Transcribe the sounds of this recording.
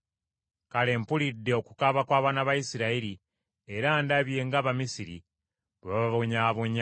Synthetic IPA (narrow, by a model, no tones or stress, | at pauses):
kale̞ːmpulidːe̞o̞ku̥kaβakwaːβaːnaβajisiɾaiɾi | e̞ɾaːndaβje̞ːŋɡaːβamisiɾḭ | lwaβaβoɲaːβoɲa